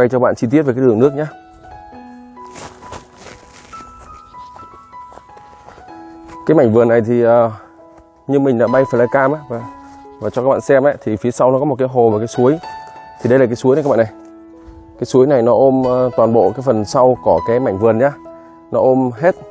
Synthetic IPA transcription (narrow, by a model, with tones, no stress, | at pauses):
a˧jt͡ɕɔ˧ɓa̰ː˧˨t͡ɕi˧i˦˥t̚vkːaː˨˦ɗɨ˨˩əŋnɨ˦˥ək̚ɲaː˧ | kaː˨˦jma˧˩jŋ̟vɨ˨˩ənːa˨˩jt̪ʰi˨˩ʔəː˨˩ | ɲɨ˧ŋmï˨˩ŋ̟ɗa̰ː˧˥ɓa˧jfa˧˨˩laː˧kaː˧mʔaː˧˦˥va˨˩vaː˨˩t͡ɕɔ˧kaː˦˥ɓa̰ː˧˨sɛ˧mʔa˨˦t̪ʰi˨˩fi˨˦əsa˧wnɔ˨˦kɔ˨˦m˨˩t̚kaː˨˦jɦo˨˩və˨˩kaː˨˦su˨˦əjt̪ʰi˨˩ɗə˧jlaː˨˩kaː˨˦su˨˦jn˨˧aː˦ɓa̰ː˧˨na˨˩j | kaː˨˦jsu˨˦əjna˨˩jnɔ˨˦ʔo˧mː˧t̪waː˨˩nɓo̰˧˨kaː˨˦jfə˨˩nsa˧wkɔ˨˧˩kaː˨˦jma˧˩jŋ̟vɨ˨˩ənɲaː˧ | nɔ˨˦ʔo˧mɦe˦˥t̚